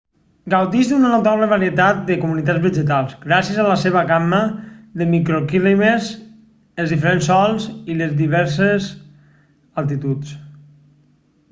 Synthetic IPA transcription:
ɡawd̪iʒd̪unənut̪aβləβaɾiət̪at̪̚d̪əkumunit̪ad͡zβəʒət̪alˠzɡɾasjəzaləseβəɣaməðəmikɾokilimez | əlˠzðifeɾensːɔlˠzilezðiβɛɾsez | əlˠt̪̬it̪ut͡s

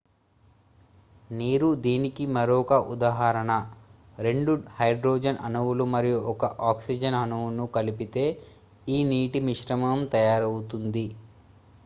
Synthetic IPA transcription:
niːɾud̪iːnikimɐɾɔːkɐʔud̪aːɦaːɾɐɳɐ | ɾe̞ɳɖuhɐjɖɾoːd͡ʒɐnʔɐ̰nuʋulumɐɾijuʔɔkɐʔaːksid͡ʒɐnɐnuʋunukɐlipit̪e̞ː | iːniːʈimiʂɾɐmɐmt̪ɐjaːɾɐwut̪und̪i

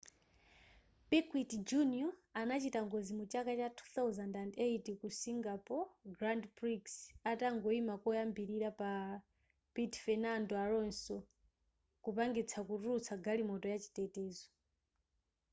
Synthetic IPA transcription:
pikwitd͡ʒuniɔanat͡ʃitaŋɡɔzimut͡ʃakat͡ʃatʰu̥θawzandandejtikusiŋɡapɔɡɾandpɾiksataŋɡɔimakɔjambiɾiɾapa | pitfɛnandɔaɾɔnsɔ | kupaŋɡit͡sʰakuɾuut͡sʰaɡalimɔtɔjat͡ʃi̥tɛtɛːzɔ

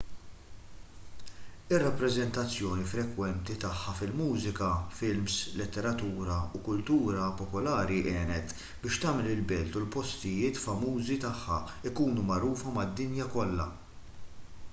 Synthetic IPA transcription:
ɪrːɐpːɾɛzɛnt̪ɐt͡sːjɔːnifɾɛkwɛnt̪it̪ɐħːɐfɪlmuːzɪkɐfɪlmslɪt̪ːɛɾɐt̪uːɾɐukʊlt̪uːɾɐpɔpɔlɐːɾiʔɛːnɛt̪ | bɪːʃt̪ɐːmɛlɪlbɛlt̪ulpɔst̪ɪjɪːt̪fɐmuːzit̪ɐħːɐ̰ | ɪkuːnumɐɾuːfɐmɐd̪ːɪnjɐkɔlːɐ̰

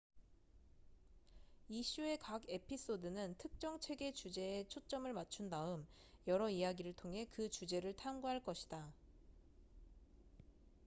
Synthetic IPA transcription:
iɕ͈ʰue̞kaɡe̞pʰis͈odɯnɯntʰɯk̚t͡ɕ͈ʌŋt͡ɕʰe̞ɡe̞t͡ɕud͡ʑe̞ːt͡ɕʰot͡ɕ͈ʌmɯɭmat͡ɕʰundaɯm | jʌɾʌijaɡiɾɯɭtʰoŋɦe̞kɯt͡ɕud͡ʑe̞ɾɯɭtʰamɡuɦaɭk͈ʌɕʰid̥a

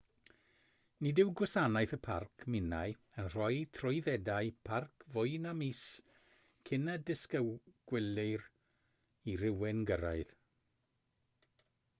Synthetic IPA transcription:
nidɪwɡwɔsanajθəpʰa̰rkʰmɪnaj | ənr̥ɔjtʰrʊɨðɛdaɨpʰarkʰvʊjnamis | kʰɪnadɪskəɡ̥wɪlɪr | irɪwɪnɡəɾa̰ɨð

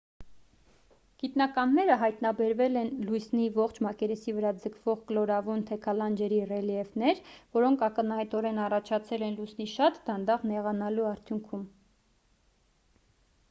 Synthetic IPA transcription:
ɡ̥it̪nɑkɑnːɛɾəɦɑjt̪nɑbɛɾvɛlɛnlujsnivɔχt͡ʃʰmɑkɛɾɛsivəɾɑd͡zəkʰv̥ɔʁklɔɾɑvunt̪ʰɛkʰɑlɑnd͡ʒɛɾirɛliɛvnɛɾvɔɾɔŋkʰɑkənhɑjt̪ɔɾɛnɑrɑt͡ʃʰɑt͡sʰɛlɛnlujsniʃɑt̪d̪ɑnd̪ɑʁnɛʁɑnɑluɑɾt̪ʰjuŋkʰum

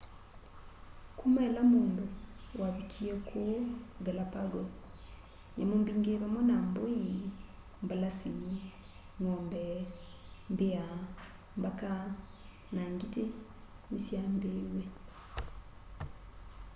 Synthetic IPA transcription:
kumaelamuːnduwaβitʰiekʰoɡalapaɡos | ɲamumbiːŋɡeβamonamboji | mbalasiɲi | ŋoːmbe | mbia | mbaka | naŋɡitenisjaːmbeːwe

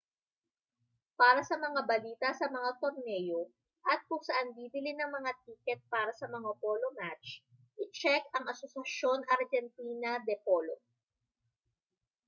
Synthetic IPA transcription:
paːɾɐsɐmɐŋabɐliːt̪ɐsɐmɐŋat̪oɾnɛːjo̞ | ʔɐt̪̚kʊŋsɐʔanb̪iːb̪ɪlɪnɐŋmɐŋat̪̚iːkɛt̪̚paːɾɐsɐmɐŋapolomat͡ʃ | ʔɪt͡ʃɛkɐŋʔɐsosɐʃo̞nʔɐɾd͡ʒɛnt̪iːnɐd̪ɛpolo

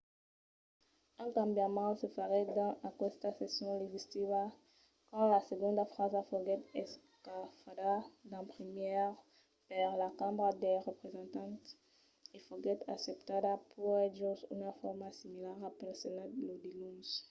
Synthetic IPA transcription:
ɛ̃ŋkãmbjamɑ̃səfəʁɛd̪ɑ̃akwɛst̪asesjɔ̃leʒist̪iva | kɑ̃laseɡɔ̃nd̪afʁazafoɡɛt̪ɛs | kafadad̪ɑ̃pʁimjɛʁ | paʁlakãmbʁad̪eʁəpʁezɑ̃nt̪ɑ̃t̪ | efoɡɛt̪a̰sept̪ad̪apʰuʁɛʒosy̰nafɔʁmasimilaʁapelsenad̪lod̪ilũs

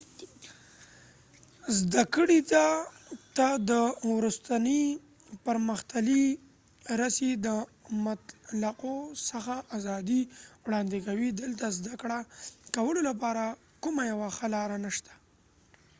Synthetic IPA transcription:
zd̪akəɽit̪at̪ad̪əwɾust̪ani | pəɾməxt̪ali | ɾasid̪əmat̪laqosəxaʔazɑd̪iwɽɑnd̪ɪkawid̪əlt̪azd̪akɽakawəlolapɑɾa | kumajawaxalɑɾanaʃt̪ḁ

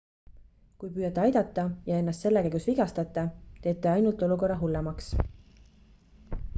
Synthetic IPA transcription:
kujpyːjɑt̪ˑːeɑjd̪̥ɑt̪ˑːɑjɑe̞nːɑst̪se̞lːekæjɡusviɡɑst̪ɑt̪ːˑɑt̪e̞ːt̪ːˑeɑjnult̪ˑo̞luko̞rːɑɦulːemɑks

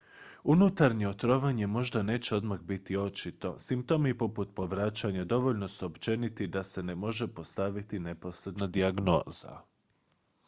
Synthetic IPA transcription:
unut̪aɾɲeot̪ɾo̞ʋaɲe̞mo̞ʒd̪ane̞ːt͡ɕe̞o̞d̪maɣbit̪io̞t͡ʃit̪o̞̰simp̚t̪o̞mipo̞put̪̚po̞ʋɾat͡ʃaɲad̪o̞ʋo̞ʎno̞suopt͡ʃe̞nit̪id̪ase̞ne̞mo̞ʒe̞po̞st̪aʋit̪ine̞po̞sɾe̞d̪nad̪iaɡno̞ːza̰

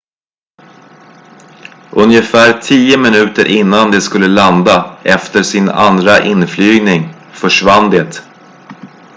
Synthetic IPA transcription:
ʔɵnjəfæːɾt̪ʰiːəmɪnʉ̟ːt̪əɾʔɪnːand̪ɛskɵlːəland̪aʔɛft̪əʂɪna̰nd̪ɾaʔɪnflyːɡnɪŋ | fœʂvand̪eːt̪

